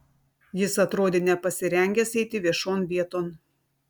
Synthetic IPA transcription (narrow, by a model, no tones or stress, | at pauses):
jɪsɐt̪ɾoːd̪ʲeːnʲɛpɐsʲɪɾʲɛŋʲɡʲɛsɛɪt̪ʲɪʋʲiɛʃoːnʋʲiɛt̪oːn